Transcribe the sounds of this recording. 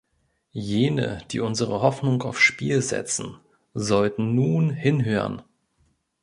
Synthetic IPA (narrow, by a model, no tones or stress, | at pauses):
jeːnə̰d̥iːʔʊnzəʁəɦɔfnʊŋaʊfʃpiːlzɛ̰t͡sn̩ | zɔltn̩nuːnhɪnɦøːʁə̰n